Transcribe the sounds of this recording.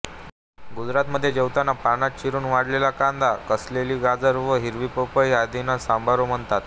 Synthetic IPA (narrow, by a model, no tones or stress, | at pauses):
ɡud͡zɾat̪məd̪ʱːjed͡ʑəwt̪anapanat̪̚t͡ɕiɾuːnʋaɽlelakand̪akəsleliːɡad͡zəɾʋəɦiɾʋiːpəpəjad̪inasambʱaɾom̤əɳt̪at̪